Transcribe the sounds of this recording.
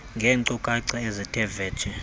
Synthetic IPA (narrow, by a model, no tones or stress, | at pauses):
ŋɡʱɛːŋǀɔkʼaǀaezitʰɛvɛ̥ːt͡ʃʰʼɛ